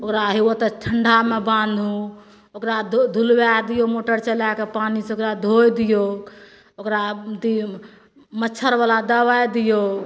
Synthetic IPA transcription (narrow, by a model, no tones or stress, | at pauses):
okɾaɦiwət̪əʈʰəɳɖʱamebãnd̪ʱũ | okɾad̪ʱulbad̪ijomoʈəɾt͡ʃəlakepaniseokɾad̪ʱojd̪ijo | okɾat̪i | mətːt͡ʃʰəɾbalad̪əβajd̪ijo